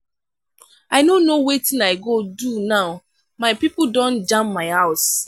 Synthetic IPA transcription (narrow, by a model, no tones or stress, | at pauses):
aɪnonowetɪ̃naɪɡodunaʊ | maɪpip̩dɔ̃nd͡ʒãmpmaɪhaʊs